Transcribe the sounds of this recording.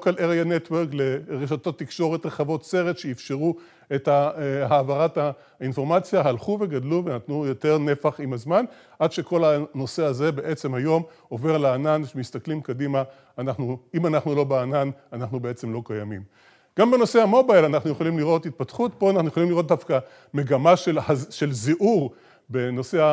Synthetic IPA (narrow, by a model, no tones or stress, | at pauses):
kaleʁjanetweʁkle̞ʁeʃ̬ato̞t̪ːikʃoʁetʁeχavo̞tse̞ʁet̪ʃeifʃeʁu | etaɦaːvaʁata | info̞ʁmat͡sjaɦalχuve̞ɡadluvenat̪nujo̞te̞ʁne̞faχimazman | ʔadʃe̞kʰo̞lano̞se̞aze̞be̞ʔe̞t͡semhajo̞m | o̞ve̞ʁlaaːnanʃemist̪aklimkadimaː | naχnuimanaχnulo̞beanananaχnubee̞t͡se̞mlo̞kajamim | ɡ̥ambe̞no̞se̞amo̞bajlanaχnuje̞χolimliʁo̞thit̪̚patχutpo̞anaχnuje̞χolimliʁot̚d̪afka | me̞ɡamaʃelhaʃe̞lziʔuʁ | be̞no̞sea